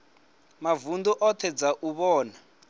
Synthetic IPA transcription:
mavund̪ɔʔɔtʰɛd͡zaʔuβɔːna

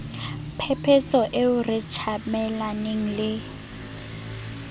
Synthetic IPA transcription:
pʰɛpʰet͡sʼɔʔeʊrɪt͡ʃʰamɛlaneŋ̩lɪ

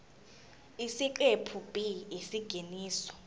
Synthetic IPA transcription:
isikʼepʰub̥ʱiisiɡ̥ʱiniːsɔ̥

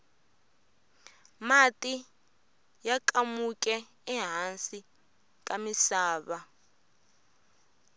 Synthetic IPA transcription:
mati | jakamukʼɛ | ɛɦansi | k̬ʼamisaːβa

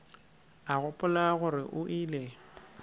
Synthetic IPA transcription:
aɣʊpʼʊlaɣʊɾɪʔʊʔiːle

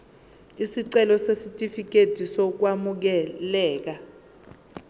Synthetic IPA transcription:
isiǀɛlɔsesitʼifik̬ed̥ʱisɔk̬wamuk̬ɛlɛːk̬a

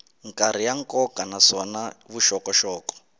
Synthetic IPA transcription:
ŋkʼaɾ̤ijaŋ̩kɔkʼanasɔnaβuʃɔkɔʃɔːkɔ̥

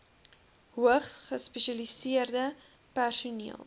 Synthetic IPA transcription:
ɦuəχsχəspɛʃɐlisiərdə | pærsunḭəlˠ

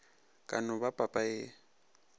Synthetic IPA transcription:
kʼa̰nʊbapʼapʼaɪ

